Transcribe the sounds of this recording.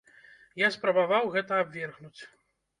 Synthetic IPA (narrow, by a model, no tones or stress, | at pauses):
jaspɾɐbavawɣɛt̪ɐabʲvʲɛrɣnut͡sʲ